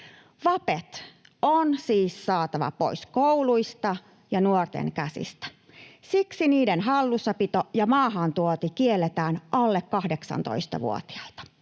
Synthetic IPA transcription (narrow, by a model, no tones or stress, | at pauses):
ʋɑpet̪ | onsiːssɑːt̪ɑʋɑ̰po̰iskouluist̪ɑ | jɑnuort̪ḛŋkæsḭst̪æ̥ | siksiniːdenɦɑlːusːɑpit̪ojɑmɑːɦɑnt̪uot̪ikielːet̪æːnʔɑlːekkɑhdeksɑ̰nt̪o̰ist̪ɑ̰ʋṵo̰t̪i̥ɑ̥lt̪ɑ̥